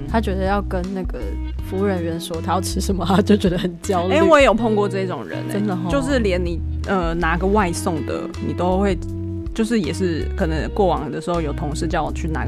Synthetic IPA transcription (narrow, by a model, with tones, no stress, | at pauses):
t̪ʰa˦˥t͡ɕɥɛ˧˥d̪ə˨˧jɑ˥˩ʊkə˦nna˥˩ɡə˨˩ | fu˧˥ɻə˧˥nɻə˧˦nʂwɔ˥t̪ʰa˥jɑ˥˩ʊʈ͡ʂʰɻ̩˧˥ʂə˧˦nmə˨a˦t͡ɕjo˥˩ʊt͡ɕɥɛ˦˥d̪ə˧hə˨˩nt͡ɕjɑ˦˥ʊle˥˦wɔ˧˦jɛ˨˦˩jo˨˩ʊpʰo˥˧ŋkwɔ˥˧ʈ͡ʂɤ˥˧i˥˩ʈ͡ʂʊ˨˩ŋɻə̰˧˦nḛə˦nə˨jo˥˧ʊʂɻ̩˥˩ljɛ˧˥nni˨˩ə˧˩na˧˥ɡə˨wa˥˧ɪsɔ˥˩ŋd̪ə̰˨ | ni˨˩t̪o˥ʊxwe˥˧ɪ | t͡ɕjo˥˧ʊʂ̬ɻ̩˥˩jɛ˨˩ʂɻ̩˥˩kʰɤ˨˩nə˧˦ŋkwɔ˥˩wɑ˨˩˦ŋd̪ə˨ʂɻ̩˥xo˥˩ʊjo˨˩ʊt̪ʰo˧˥ŋʂɻ̩˥˧t͡ɕjɑ˥˩ʊ˨˩t͡ɕʰy˥˩na̰˧˥